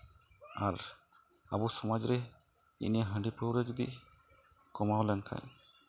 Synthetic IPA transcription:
aɾ | a̰busɔmad͡ʒɾe | ḭniaɦə̃ɳɖipowɾed͡ʒud̪ḭ | kɔmalɛnkʰa̰j

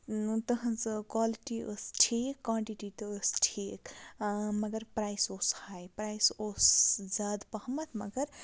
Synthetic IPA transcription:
t̪ɐɦɐ̃nt͡sɨkwaːliʈiə̰sʈʰikːwaːɳʈiʈit̪ɐəsʈʰiːk | mɐɡɐɾpɾaːjsoːshajpɾajsoːsd͡zaːd̪pɐhmɐt̪ʰmɐɡɐɾ

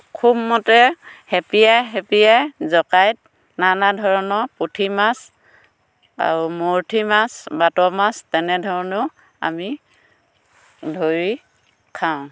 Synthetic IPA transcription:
kʰubmɔtɛhɛpijajɦɛpijajzɔkajt̚ | nanadʱɔɹɔnɔpotʰimas | a̰ɹumoɹtʰimasbatɔmastɛnɛdʱɔɹɔnʊ | a̰mi | dʱoɹi | kʰaʊ̃

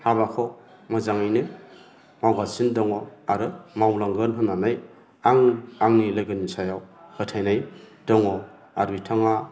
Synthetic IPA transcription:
haβakʰɔ | mazaŋajnɯ | mawɡalsindɔŋɔaɾɯmawlaŋɡɯnɦɯnːanaj | aŋaŋnilajɡɯnisajawhɯtʰajnaj | dɔŋɔ | aɾuitʰaŋa

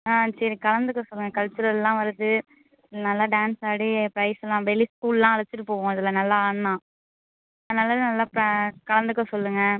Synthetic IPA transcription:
aːsɐɾikɐlɐnd̪ɯkːɐ̃sɔlːɯŋɡɐkɐɻt͡ʃːɯɾɐɛlːãːʋɐɾɯðɯ | ɪðɪlnɐlːaɖaːnsaːɽipɾɐɪslãːʋɛliskuːllãːɐɭɐt͡ʃːɪʈːɯpoːɣõːɪðɪlːɐnɐlːaaːɳmãː | ɐðɐnɐːlːaðɯnɐlːaːpɾɐkɐlɐnd̪ɯkːɐ̃sɔlːɯŋɡɐ

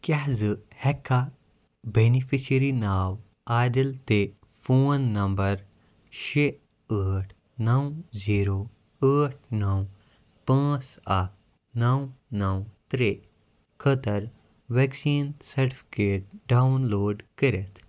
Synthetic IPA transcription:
kaɦzɨhɛkʰːa | benifisiɾinaːw | aːɖilt̪e | foːnːɐmbɐɾ | ʃe | əːʈʰ | nɐwziːɾoː | əːʈ̚ʰnɐw | pãːt͡sɐk̚ | nɐwnɐwt̪ɾe | kʰət̪ɐɾ | ʋeksiːnsɐɾʈi̥pʰi̥keːʈ̚ɖawnloːɖkəɾet̪ʰ

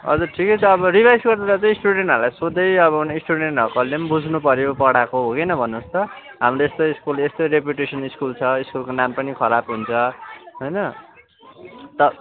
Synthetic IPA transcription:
ʌ̰d͡zʌʈʰiket͡sʰʌːβʌribʱajsɡʌrd̪eɾat͡sʌ̃j̃isʈuɽeɳʈʌɾlajsod̪ʌjʌβʌnisʈuɽeɳʈʌkʌlembud͡zʱnupʌɾjopʌɽakoɦokejnʌbʱʌnːust̪ʌ | ɦamroest̪oiskulest̪oɾep̬juʈesʌniskult͡sʰʌiskulkonampʌnikʰʌɾabɦunt͡sʰʌɦojnʌ | t̪ʌ

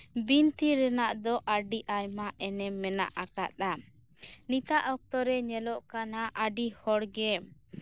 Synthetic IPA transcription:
bint̪iɾɛnaʔd̪ɔʔaɖiʔajmaʔɛnɛmːɛna̰ʔʔakat̪̚a | nit̪aʔɔk̚t̪ɔɾɛɲɛlɔʔkanaʔaɖihɔɽɡɛ

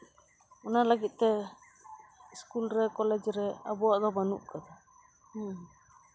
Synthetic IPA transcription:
ɔnalaɡit̪̚ˀt̪ɛ | iskulɾɛkɔlɛd͡ʒɾɛabɔaʔd̪ɔbanṵʔkad̪a

